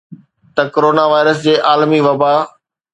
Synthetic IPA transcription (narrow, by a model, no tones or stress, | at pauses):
t̪ɐkoɾoːnaʋaːɪɾəsd͡ʑeːʔaːlmiʋɐba